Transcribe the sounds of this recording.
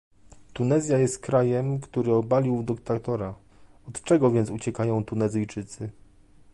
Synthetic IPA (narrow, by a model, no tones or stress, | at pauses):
t̪unɛzʲjajɛst̪̚kɾajɛmkt̪uɾɘɔbalʲiwd̪ɘkt̪at̪ɔɾa | ɔt̪t͡ʂɛɡɔvʲjɛnt̪sut͡ɕɛkajɔ̃w̃t̪unɛzɘjt͡ʂɘt̪sɘ